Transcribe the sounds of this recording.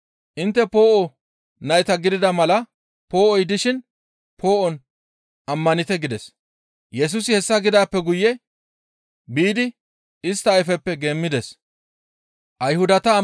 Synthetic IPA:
ʔɪnt̪ːɛpo̞ːʔɔ | nɐjt̪ɐɡɪd̪ɪd̪ɐmɐlɐ | po̞ːʔɔjd̪ɪʃɪn | pʰo̞ːʔɔn | ɐmːɐnɪt̪ɛɡɪd̪ɛs | jɛs̬ʊsɪhɛsːɐɡɪd̪aːpːɛɡʊjːɛ | biːd̪ɪ | ɪst̪ːɐːjfɛpːɛɡe̞ːmːɪd̪ɛs | ʔɐjhʊd̪ɐt̪ɐ

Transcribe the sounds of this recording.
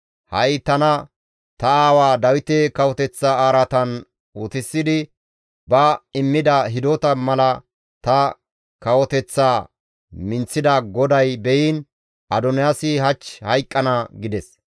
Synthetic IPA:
hɐjt̪ɐnɐ | t̪ɐaːwaːd̪ɐwɪt̪ekɐwɔt̪ɛt͡sːaːaːɾɐt̪ɐn | ʊt̪ɪsːɪd̪ɪ | bɐɪmːɪd̪ɐɦɪd̪ot̪ɐmɐlɐ | t̪ɐ | kɐwɔt̪ɛt͡sːaː | mɪnt͡sːɪd̪ɐɡɔd̪ɐjbɛjiːn | ʔɐd̪ɔnɪjasɪɦɐt͡ʃːhɐjkʼːɐnɐɡɪd̪ɛs

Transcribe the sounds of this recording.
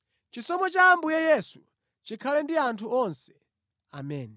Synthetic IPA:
t͡ʃisɔmɔt͡ʃaːmbujajɛsu | t͡ʃikʰalɛndiantʰuʔɔnsɛ̥ | a̰mɛːni

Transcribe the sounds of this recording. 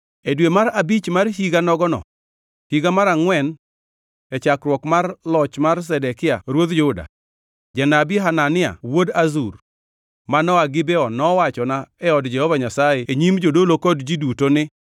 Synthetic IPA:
edwemaɾabit͡ʃmarɦiɡanɔɡɔnɔ̰ | hiɡamaɾaŋwɛn | ɛt͡ʃakɾwɔkmarlɔt͡ʃmars̬ɛdɛkɪa̰ɾwod̪d͡ʒʊda̰ | d͡ʒɛnabiɦananɪa̰wodazur | manɔaɡɪbɛɔnɔwat͡ʃɔnaɛɔdd͡ʒɛhɔvaɲasajeeɲimd͡ʒodolokɔdd͡ʒidutonɪ

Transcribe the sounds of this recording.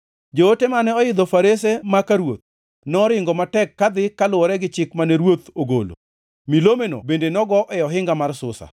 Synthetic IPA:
d͡ʒootemanɛɔɪd̪ɔfaɾesemakaɾwo̰t̪̚ | nɔɾɪŋɡɔmatɛkːad̪ɪkalʊɔɾɛɡɪt͡ʃɪkmanɛɾwot̪oɡo̰lo̰ | milomeno̰bendenɔɡɔʔɛjɔɦɪŋɡamarsʊsa̰

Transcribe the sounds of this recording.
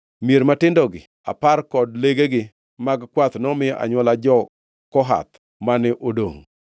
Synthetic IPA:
mjeɾmatɪndɔɡɪ | a̰parkɔdleɡeɡɪ | maɡkwat̪nɔmɪjʔa̰ɲwɔlad͡ʒɔ | kɔɦa̰t̪ | manɪʔodo̰ŋ

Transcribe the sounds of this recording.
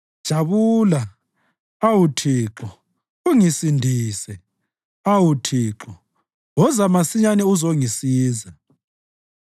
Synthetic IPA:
d̥ʒ̥ʱaβuːla | awutʰiːǁɔ | uŋisindʱiːsɛ | awutʰiːǁɔ | wɔzamasiɲanɛuzoŋisiːza

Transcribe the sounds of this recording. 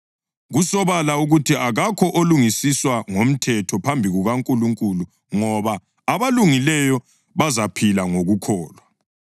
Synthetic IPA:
ɣusɔβalauɣutʰiʔaɣakʰɔʔoluŋisiswaŋom̩tʰɛtʰɔpʰambʱiɣuɣaŋkʼuluŋkʼulu | ŋɔβaː | βaluŋilɛjɔ | βazapʰilaŋoɣukʰɔːlwa

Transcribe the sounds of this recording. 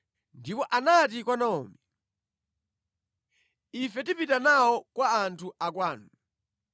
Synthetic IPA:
ndipɔʔanat̬ikwɔnaɔ̰ːmɛ | ifɛtipitanawɔkwaːntʰuʔakwaːnu

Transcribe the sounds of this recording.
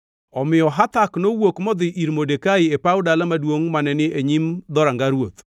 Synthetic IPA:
ɔmɪɔɦat̪aknowokmɔd̪ɪʔiɾmodekaɪepaʊdalamadwoŋmanɛnɪʔeɲimd̪ɔɾaŋɡaɾwot̪

